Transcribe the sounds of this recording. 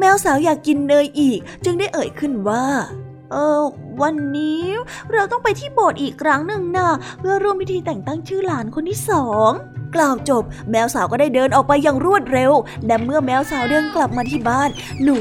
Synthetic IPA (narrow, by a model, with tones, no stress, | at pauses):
mɛː˧˥wsaː˩˦wjaː˨˩kːi˧nːɤː˧jʔiː˨˩k̚t͡ɕɯ˧ŋdaː˥˩jʔɤː˨˩˦jkʰɯ˥˩nwaː˥˩ | ʔɤː˧wa˧nːiː˦˥ɾa˧wt̪ɔ˥˩ŋpa˧jt̪ʰiː˥˩boː˨˩t̪̚ʔiː˨˩kʰɾa˦˥ŋnɯ˨˧ŋnaː˥˩pʰɯ˥˩ɐɾu˥˩əmwi˦˥t̪ʰiː˧t̪ɛ˨˩ŋt̪a˥˩ŋt͡ɕʰɯː˥˩laː˩˦nkʰo˧nt̪ʰiː˥˩sɔː˩˦ŋklaː˨˩wt͡ɕo˨˩p̚mɛː˧˥wsaː˩˦kɔː˥˩daː˥˩jdɤː˧nʔɔː˨˩k̚pa˧jːaː˨˩ŋɾu˥˩ət̪̚ɾe˧wlɛ˦˥mɯ˥˩ɐmɛː˧˥wsaː˩˦wdɤː˧nkla˨˩p̚maː˧iː˥˩baː˥˩nː | uː˨˩